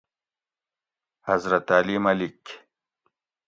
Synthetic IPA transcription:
hɐzɾɐt̪aːlimɐlik

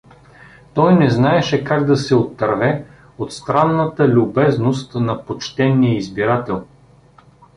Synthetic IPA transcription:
t̪ɔjnɛznaɛʃɛkaɡd̪ɐsɛot̪ːɐɾvɛ | ot̪st̪ɾanːət̪əlʲʊbɛznost̪nɐpot͡ʃt̪ɛnːijəizbiɾat̪ɛlˠ

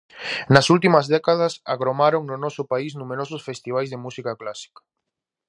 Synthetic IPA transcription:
nɐsult̪imɐzðɛkað̞ɐsa̰ɣɾomaɾoŋnʊnɔsʊpaisnumeɾɔsʊsfest̪iβ̞ajzðemusikaklasi̥kḁ

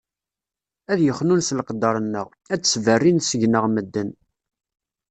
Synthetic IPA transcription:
æðjəχnunslqəd̪ːɑɾˤənːəʁ | æt͡sːsvərːinsəʝnəʁməd̪ːən

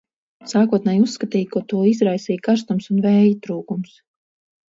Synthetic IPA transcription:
saːkuɔt̪̚nɛːjusːkat̪iːjkuɔt̪uɔizɾajsiːjkaɾst̪umsunvɛːjit̪ɾuːkums

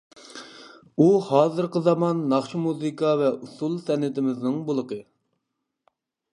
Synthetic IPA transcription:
uhɑːzɨɾqəzɑmɑnːɑχʃimuzɨkʰɑvɛʔusulˠsɛnɪt̪ɪmɪznɨŋbolˠəqə

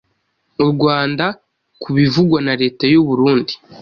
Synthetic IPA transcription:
uɾɡwaːnda | kʰuβivuɡwanaɾe̞ːtajuβuɾuːndi̥

